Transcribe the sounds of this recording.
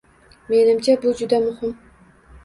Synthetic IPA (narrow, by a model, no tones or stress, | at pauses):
me̞nɪmt͡ʃʰabʊd͡ʒʊd̪amʊhɪm